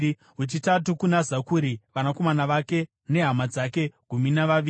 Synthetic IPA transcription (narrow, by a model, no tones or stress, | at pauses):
ɦut͡ʃitatukunazakuɾiʋanako̞manaʋake̞ | ne̞ɦamad͡zake̞ɡ̥ʱuminaʋaʋi